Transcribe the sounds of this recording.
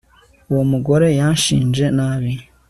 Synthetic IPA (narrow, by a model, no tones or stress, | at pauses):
womuɡo̞ɾe̞jaːnʃḭːnʒe̞naβi